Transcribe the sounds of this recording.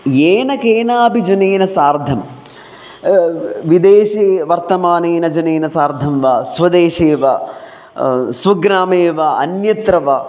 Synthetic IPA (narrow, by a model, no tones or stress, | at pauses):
jeːnɐkeːnaːbʱid͡ʒɐneːnɐsaːɾd̪ʱɐm | ʋid̪eːʃeːʋɐɾt̪ɐmaːneːnɐd͡ʒɐneːnɐsaːɾd̪ʱɐmʋaːsʋɐd̪eːʃeːʋaː | sʋɐɡɾaːmeːʋaːɐnjɐt̪ɾɐʋaː